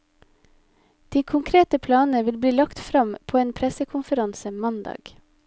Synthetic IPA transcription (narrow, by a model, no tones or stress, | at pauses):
d̪̥iːkʰʊŋkʰɾeːt̪əpʰlɑːnəʋɪlbliːlɑkt̪fɾɑmpʰoːeːnpʰɾɛsəkʰʊnfəɾɑnsəmɑnd̪ɑ̰ːɡ̥